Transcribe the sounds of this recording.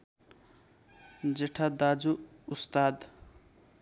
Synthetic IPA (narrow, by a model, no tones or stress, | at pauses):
d͡zeʈʰad̪ad͡zuː | st̪ad̪